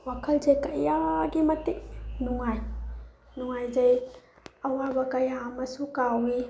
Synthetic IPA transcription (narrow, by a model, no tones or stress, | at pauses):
wakʰɐlzɐjkɐjaɡimɐtik̚nuŋaj | nuŋajzɐj | ɐwabɐkɐjamɐsukawi